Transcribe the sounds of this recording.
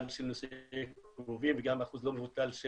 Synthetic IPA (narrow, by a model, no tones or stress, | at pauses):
lʃelnosekuvimveɡamaχuzlomevut̪alʃe